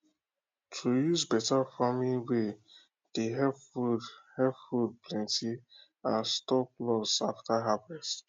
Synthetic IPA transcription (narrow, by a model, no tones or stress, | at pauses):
tʰujuzbɛtafamiwe | d̥eɦɛvfuhɛvfud̚plɛ̃nti | ãnstɔplɔsaftaɦapɛs